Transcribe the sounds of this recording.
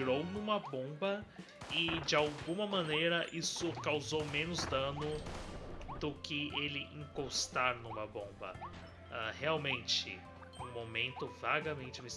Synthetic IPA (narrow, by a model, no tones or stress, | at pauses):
ɾownũmɐbõbɐ | ɪd͡ʒɪawɡũmɐmɐ̃nejɾɐʔisʊkawzowmẽnʊzd̪ɐ̃nʊ | d̪ʊkɪelɪʔĩŋkost̪aɾnũmɐbõbɐ̰ | aheawmẽnt͡ʃɪ̰ | ũmomẽnt̪ʊvaɡɐmẽnt͡ʃɪmes